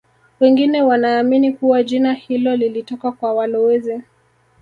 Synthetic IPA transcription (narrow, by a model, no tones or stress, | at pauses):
wɛŋɡinɛwanaːminikuwaʄinahilɔlilitɔkakwawalɔwɛzɛ